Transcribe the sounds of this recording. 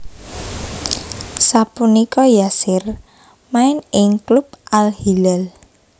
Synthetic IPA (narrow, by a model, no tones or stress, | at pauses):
sapunikɔjasɪr | maɪnɪŋklup̚ʔalhilɛl